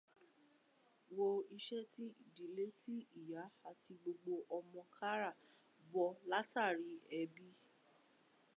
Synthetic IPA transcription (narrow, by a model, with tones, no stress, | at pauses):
wo˧i˧ʃɛ˦ti˦i˨di˨le˦ti˦i˦˨ja˨˦a˨ti˧ɡ͡bo˧ɡ͡bo˧ʔɔ˧mɔ̃˧kʰa˦ɾa˦˨ | bɔ˧la˦ta˦˨ɾi˨˦ɛ˧bi˦